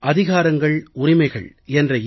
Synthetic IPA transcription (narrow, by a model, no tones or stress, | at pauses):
ʔɐðɪɣaːɾɐŋɡɐɭʊrɪmɐɪɣɐ̰ɭ | ɛndrɐ